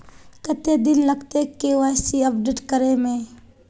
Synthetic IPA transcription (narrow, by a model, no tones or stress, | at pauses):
kət̪ed̪ɪnlɐɡt̪ekeʋaːsiɐpɖeːʈkəɾemẽ